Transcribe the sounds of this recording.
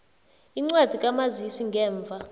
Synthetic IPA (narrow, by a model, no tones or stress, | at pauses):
iŋ͡ǀwad̥ʱikʼamazisiŋɡʱɛːɱvʱa